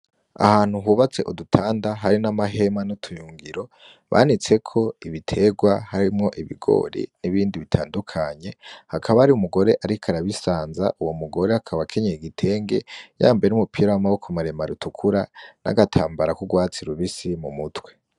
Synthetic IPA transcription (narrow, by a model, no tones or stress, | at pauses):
a̰haːn̥huɦuːβat͡se̞ʔudutʰaːndaɦaɾinamaɦe̞manotʰujuːŋɡiɾo̞ | βʔa̰nit͡se̞kʰo̞iβitʰe̞ːɡwaɦaɾimŋo̞ʔiβḭɡo̞̰ːɾḭniβiːndiβitʰaːndukʰaɲe̞hakʰaβahaɾiumuɡo̞ɾe̞ʔaɾikʰaɾaβisaːnza̰ʔuwo̞muɡo̞ɾe̞hakʰaβakʰe̞ɲeiɡitʰe̞ːŋɡe̞ja̰ːmbeenumupʰiːɾawamaβo̞kʰomaɾemaɾutukʰuɾana̰ɡatʰaːmbaɾakuɡwaːt͡siɾuβisimumutwe̞